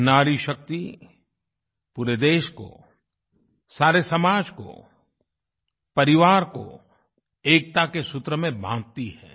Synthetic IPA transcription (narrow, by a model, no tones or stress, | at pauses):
naːɾiʃɐk̚t̪i | puːɾed̪eːʃko̰ | saːɾesɐmaːd͡ʒko̰ | pɐɾɪʋaːɾko̰ | eːk̚t̪akesʊt̪ɾəmẽbãːd̪̚t̪ihɛ̰ː